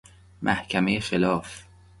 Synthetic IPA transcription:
mʔæhkʰæmejexelɒːf

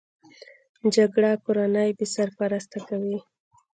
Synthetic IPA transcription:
d͡ʒaɡɽakoɾanəjbesaɾpaɾast̪akawi

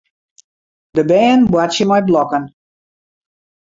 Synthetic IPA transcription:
dəbɛːnbwat͡ʃəmajblɔkən

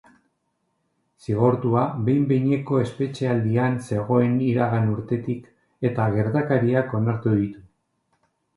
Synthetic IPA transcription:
siɣ̞oɾt̪uaβe̞jmbejɲe̞ko̞e̞spe̞t͡ʃe̞ald̪ianse̞ɣ̞o̞e̞niɾaɣanuɾt̪e̞t̪ik | e̞t̪aɣ̞e̞ɾt̪akaɾiako̞naɾt̪uðit̪u

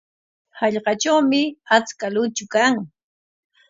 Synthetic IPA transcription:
hɑʎɢɑt͡ʃawmɪat͡skalʊt͡ʃʊkaŋ

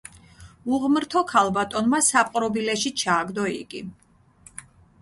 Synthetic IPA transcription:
uʁmɾt̪ʰɔkʰalˠbat̪ʼɔnmasapʼqʼɾɔbilɛʃit͡ʃʰaːɡd̪ɔḭɡi

